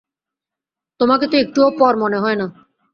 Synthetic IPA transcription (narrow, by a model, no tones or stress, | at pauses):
t̪omaket̪oek̚ʈuopɔɾmoneɦɔena